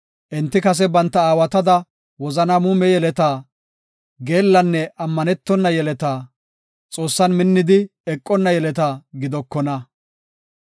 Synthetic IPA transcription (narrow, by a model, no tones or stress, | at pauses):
ʔɪnt̪ːɪkɐs̬ɛbɐnt̪ːɐaːwɐt̪ɐd̪ɐ | wɔzɐnamuːmɛjɛlɛt̪aː | ɡe̞ːlːɐnːɛʔɐmːɐnɛt̪ːɔnːɐjɛlɛt̪aː | t͡sʼo̞ːsːɐnmɪnːɪd̪ɪɛkʼːɔnːɐjɛlɛt̪aːɡɪd̪ɔkːɔnɐ